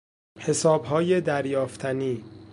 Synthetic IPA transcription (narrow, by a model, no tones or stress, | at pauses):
he̞sɒːbɦɒːjed̪æɾjɒːft̪ʰæniː